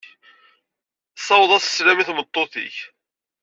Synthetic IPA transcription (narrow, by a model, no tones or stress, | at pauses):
sˤɑwðˤɑsə̥sɾæmiθmət̪ˤːoθḭç